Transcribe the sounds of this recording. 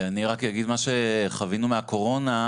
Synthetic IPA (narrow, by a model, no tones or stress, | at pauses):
aniʁakjaɡid̪maʃe̞χavinumeako̞ʁo̞na